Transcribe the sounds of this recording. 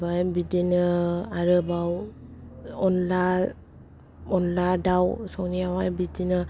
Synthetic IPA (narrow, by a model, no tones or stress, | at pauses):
bajbidinɯaɾɯbaw | ɔnla | ɔnladawsɔŋniawajbidinɯ